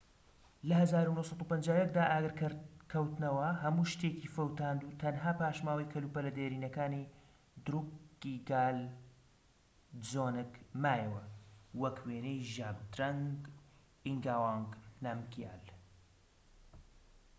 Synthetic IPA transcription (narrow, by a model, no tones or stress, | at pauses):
lɐhɐzaːɾunohsˤɑt̪upɐnd͡ʒaːwjɐk̚d̪aːʔaːɡɨɾkʰɐwt̪nɐwɐɦɐmuːʃt̪eːcifɐwt̪aːnd̪uːt̪ʰɐnɦaːpaːʃmaːwɐjkʰɐluːpɐlɐd̪eɾiːnɐkaːni | d̪ɾuɡiɡaːl | d͡zoːnɨkmaːjɛwɐ̰wɐkweːnejʒaːb̚d̪ɾɐŋɡ | iŋɡaːwaːŋɡnamkija̰ːl